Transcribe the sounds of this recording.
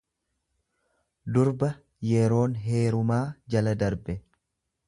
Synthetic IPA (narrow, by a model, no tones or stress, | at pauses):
d̪ʊɾbɐ | jɛɾo̞ːnɦe̞ːɾʊmaːd͡ʒɐlɐd̪ɐɾbɛ